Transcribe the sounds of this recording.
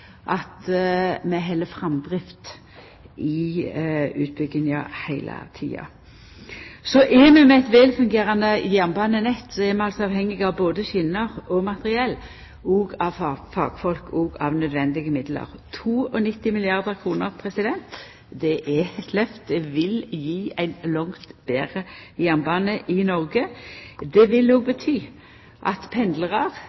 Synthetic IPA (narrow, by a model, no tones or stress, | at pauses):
ʔɑt̪mɛɦɛlːəfɾɑmd̪ʁɪft̪ | ʔɪ | ʉːt̪̚bʏɡːɪnɑhæɪlə̰t̪ʰḭːɑ̰ | sɔʔɛmɛmɛɛt̪ʋɛːlfʉŋɡeːɾɑnd̪əjæʁnbɑnənɛt̪ːsɔɛmɛɑlsɔɑʋhɛŋːɪɡɑʋboːd̪əçɪnːəʁɔmɑt̪əʁɪɛlː | ɔɡɑʋffɑ̰ːɡ̥fɔlkʰɔɡɑʋnœd̪ʋɛnd̪ɪɡəmɪd̪lə̰ʁt̪ʰuːɔnɪt̪ːɪmɪlɪɑʁd̪əʁkʰʁuːnəʁpʰʁɛsɪd̪ɛnt̪ | d̪ɛʔɛɛt̪lœft̪̚d̪ɛʋɪljiːæɪnlɔŋt̪b̥eːʁəjæʁnbɑːnəʔɪnɔʁɡəd̪ɛʋɪlːoːɡ̚bət̪ʰyː | ʔɑt̪pʰɛnd̪ləʁɑʁ